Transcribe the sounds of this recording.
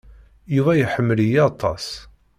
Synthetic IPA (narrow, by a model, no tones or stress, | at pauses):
juvæjħəmːəlijiɑt̪ʰˤːɑ̰s